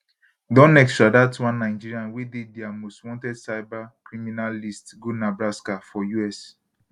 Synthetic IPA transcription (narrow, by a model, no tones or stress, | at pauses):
dɔ̃nɛkstɹadatwãnːãɪd͡ʒiɾianwedediamoswɔ̃ntɛdsaɪbakɾiminalistɡonabɾaskafɔjuɛs